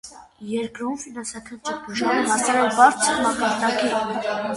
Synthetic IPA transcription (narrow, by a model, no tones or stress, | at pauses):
jɛɾkɾumfinɑnsɑkʰɑnt͡ʃəbuʒɑɾuɦɑsɑɾɛlbɑɾt͡sʰəɾmɑkɑɾd̪ɑki